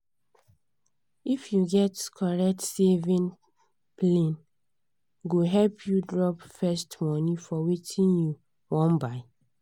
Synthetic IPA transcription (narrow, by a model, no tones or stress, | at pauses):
ifjuɡɛtkʰɔɹɛk̚tsevĩn | plẽn | ɡoɦɛlpʰjudɹɔpfɛstmɔnĩfɔwetʰĩnju | wɔ̃nbaɪ